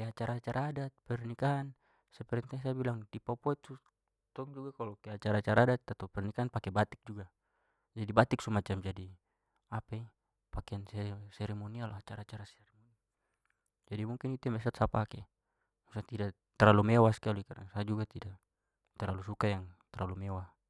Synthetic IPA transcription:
eat͡ʃaɾaːt͡ʃaɾʔaːdat̪̚pɛrnikaan | sapɛɾɛnt̪aŋs̬abilaŋdipapɔɛt̪ːu | t̪ɔŋd͡ʒuɡakalɔkeat͡ʃaɾat͡ʃaɾaːdat̪ːat̪ɔpɛrnikaanpakɛbat̪ik̚d͡ʒuɡa | d͡ʒadibat̪ik̚sumat͡ʃamd͡ʒadi | apai | pakeansɛsɛɾɛmonialat͡ʃaɾat͡ʃaɾasɛɾɛmonia | d͡ʒadimuŋkinit̪ɛmɛs̬ɔt̪sapakɛ | musat̪ida | t̪ɛralumɛwaskalikada̰ŋsad͡ʒuɡat̪idaʔ | t̪ɛɾalusukajaŋt̪ɛralumewa

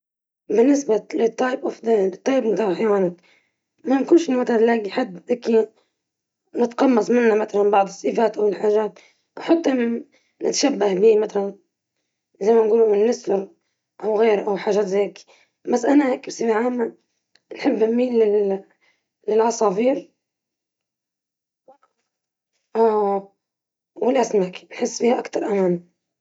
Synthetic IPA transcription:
bɪnːɪsbalɪt̪ˤːɑːjbʔafd̪at̪ˤːɑːjbnt̪ɑħajwaːnak | mankuːnʃimat̪alanlaːɡiħad̪ːʔaki | nɪt̪qɑmːɑsˤmɪnːamat̪alanbɑʕd̪ˤɨsˤːɨfaːt̪ʔawɪlħaːʒaːt̪̚ | wħat̪ˤːɑ | nɪt̪ʃabːahbiːmat̪alan | zajmanɡuːlumɪnːɪsfʊɾ | ʔawɣeːɾʔawħaːʒaːt̪zeːki̥ | basːʔanaheːkbsˤifaʕaːmːa | nħɪbːɪnmːiːlːɪ | ɪlʕɑsˤɑːfiːɾ | wɪlʔasnaːki̥nħɪsːfiːhaʔakt̪ɑɾˤʔamaːm

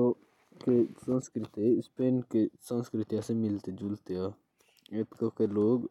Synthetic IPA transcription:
o | kesə̃nskɾɪt̪espeːnkesãnskɾɪt̪jasemɪlt̪ed͡ʒʊlt̪ea | et̪kokeloːɡ

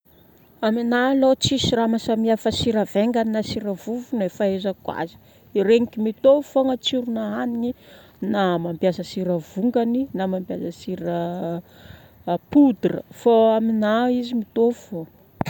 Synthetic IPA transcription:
aminalot͡sisiramasamiafasiɾaveŋɡannasiɾəvuvunefaezakwa̰zi̥ | iɾeŋikʲimit̪ofoŋat͡siɾunaɦaniŋi | namampjasəsiɾəvuŋɡaninamampjazəsiɾə | pud̪rə̰faaminaizimit̪ovvo

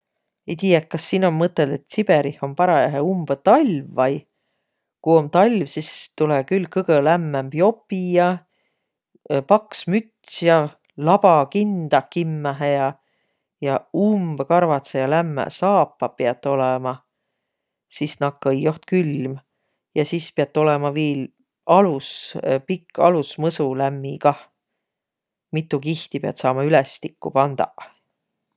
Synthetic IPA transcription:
ejt̪iːjek̚kːɑsːiːnommɤt̪ːˑeld̪̥et̪ːˑsib̥eɾiho̞mpɑɾɑjæɦeumb̥et̪ɑlʲvːɑj | kuo̞mt̪ɑlʲvsist̪ulɛkylkɤɡ̥əlæmːæmb̥jo̞pːijɑ | pɑksmyt̪sjɑ | lɑb̥ɑkind̪̥ɑkimːæɦejɑ | jɑumb̥kɑɾvɑt̪sejɑlæmːæ̰sɑːpːɑpeɑt̪ːˑo̞lɛmɑ | sisnɑkːɑjːoht̪kylm | jɑsispeɑt̪ːˑo̞lɛmɑviːl | ɑluspikːɑlusmɤsulæmːikɑ | mit̪ːˑukiht̪ipeɑ̰t̪sɑːmɑylɛst̪ikːupɑnd̪̥ɑ̰

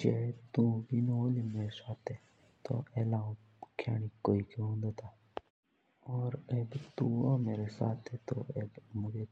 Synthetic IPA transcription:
d͡ʒet̪ũbʱinolimeːɾesaːt̪ʰe | t̪o̰eːlaũ | kʰja̰ːɽ̃ikoːikõɦõːnd̪at̪ʰaː | ɔːɾebt̪ũomeːɾesa̰ːt̪ʰɛt̪o̰eːbmʊd͡ʒe

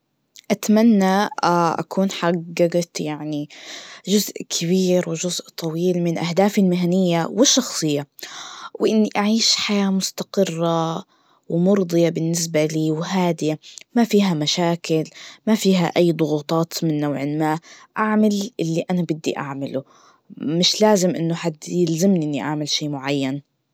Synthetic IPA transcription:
ʔat̪manːaaʔa̰kʰuːnħaɡːɑɡat̪jaʕniʒʊzʔkʰɪβiːɾwɪʒʊzʔt̪ˤʰɑwiːlmɪnʔahd̪aːfɪlmɪɦanɪjːawɪʃːɑxsˤɨjːa | wɪʔɪnːiʔaʕiːʃħajaːmʊst̪aqɨrˤːa | wmʊɾd̪ˤɨjɑbɪnːɪsbaliːwɦaːd̪ɪjamafiːɦamaʃaːkɪlmafiːɦaʔajːd̪ˤʊɣuːt̪ˤɑːt̪mɪnːawʕɪlmaːʔʔaʕmalʔɪlːiʔanabɪd̪ːḭʔa̰ʕmalu | mɪʃlaːzɪmʔɪnːʊħad̪jɪlzamniʔɪnːiʔaʕmɪlʃiːmʊʕajːan

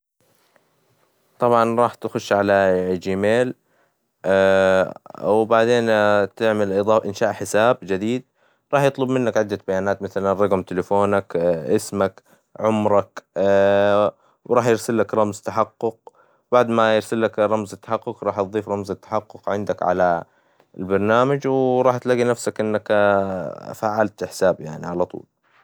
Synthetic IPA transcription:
t̪ˤɑbʕɑnɾˤɑːħt̪xʊʃːʕalad͡ʒiːmeːl | wbaʕd̪eːnt̪ɪʕmalʔɨd̪ˤɑːfʔɪnʃaːʔħɪsaːbd͡ʒad̪iːd̪̚ | ɾˤɑːħjɨt̪ˤlʊbmɪnːakʕɪd̪ːabajaːnaːt̪maθalanɾˤɑɡmt̪ɪlɪfoːnakʔɪsmak | ʕʊmɾˤɑk | wɾˤɑːħjɪɾsalːakɾˤɑmzt̪aħaqːʊq̚ | baʕd̪majɪɾsalːakɾˤɑmzɪt̪ːḁħɑqːʊqɾˤɑːħjɨðˤiːfɾˤɑmzɪt̪ːḁħɑqːʊqʕɪnd̪akʕa̰la | ɪlbɑɾˤnaːmad͡ʒwɾˤɑːħt̪laɡinafsakʔɪnːak | faːʕalt̪ɪħsaːbja̰ʕnḭʕalɑt̪ˤṵːl

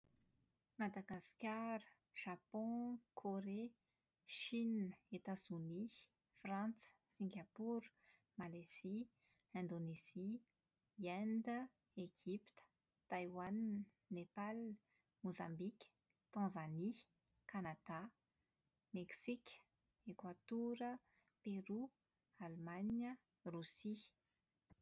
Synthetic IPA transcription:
mad̪aɡaskʲaɾə | ʒ̥apɔ̃kʰoɾe | ʃinəet̪azuni | frãnt͡sə̥ | sĩŋɡʲapuɾ | malez̥i | ɛ̃nd̪onez̥i | ɛnd̪ə | eʒipi̥t̪ə̥ | t̪ajwan | nepal | mozãmbikʲə̥ | t̪ɑ̃zani | kanad̪a | meksikʲə̥ | ekwat̪uɾə | peɾu | almanə | rusi

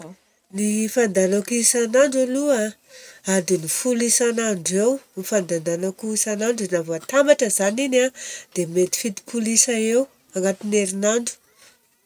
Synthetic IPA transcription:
nifand̪anakuisanaɳɖ͡ʐalua | ad̪inifulisanaɳɖ͡ʐewnifand̪and̪anakuisanaɳɖ͡ʐinavat̪ambaʈ͡ʂəzaninad̪̥emet̪i̥fit̪i̥pʰulisaew | aŋɡat̪ineɾinaɳɖ͡ʐu̥

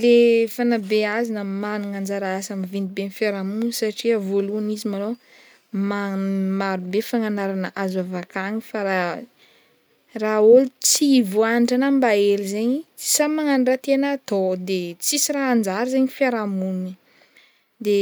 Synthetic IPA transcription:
lefanabeazinamanuŋand͡zaɾaasamivind̪ibenfjaɾamunsaʈ͡ʂiəvoluanizimano | mamaɾubefaŋanaɾanəʔazavakaŋifaɾa | raolit͡sivoaniɳʈ͡ʂanambaelizeɲisamaŋanɖ͡ʐat̪enat̪od̪et͡sisiɾaːnd͡zaɾizeɲifaɾamuni | d̪e

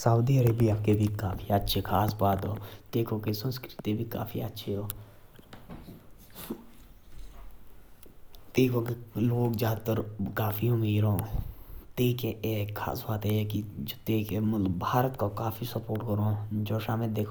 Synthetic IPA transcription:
səud̪iəɾeːbiabkebʱikaːpʰiɐtːʃʰekʰaːsbaːt̪ɦoːt̪eːkʰõkesə̃nskɾɪt̪ibʱika̰ːpʰḭətːʃʰeɦoː | t̪eːkʰokeloːɡzjaːd̪t̪əɾkaːfʰiõmeɾõːt̪eːkeʔekʰa̰ːsbaːt̪ɦɛekit̪eːkemɐtləbbʱaːɾət̪kokaːfʰisəpoːɾʈkəɾõːd͡ʒoːʃaːmɪld̪eːkʰː

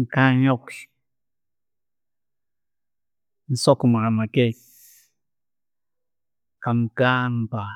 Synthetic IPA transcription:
kaɲokɬ | n̩sokmaamakes | kamkanpa

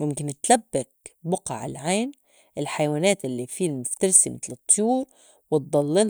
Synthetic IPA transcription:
mʊmkɪnt̪labːakbʊqɑʕɪ̰lʕaːn | ʔɪlħajwaːnaːt̪ʔɪlːifiːlmʊft̪ɑɾsimɪt̪lɨt̪ˤːjuːɾ | wɪt̪̚d̪ˤɑlːɪl

